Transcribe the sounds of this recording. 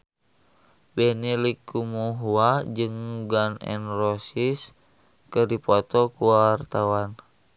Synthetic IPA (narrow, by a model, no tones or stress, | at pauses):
bɛnilikːumuɦuad͡ʒɨŋɡanɛ̰nrosis | kədipɔt̪ɔkuwart̪awan